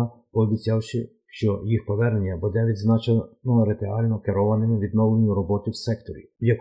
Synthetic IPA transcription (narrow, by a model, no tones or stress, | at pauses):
pɔːbʲit͡sʲɑwʃɪ | ʃt͡ʃɔjixpɔʋɛrnenʲːɐbud̪ɛʋʲid̪znɑt͡ʃɐnɔɾet̪eɑlʲnɔkeɾɔʋɐnɪmɪʋʲid̪nɔʋlˠenʲʊɾɔbɔt̪ʲɪwsɛkt̪ɔɾʲḭwjɐk